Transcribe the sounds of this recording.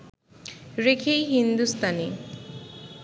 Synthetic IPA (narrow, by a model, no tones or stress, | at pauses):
ɾekʰejɦind̪ust̪ane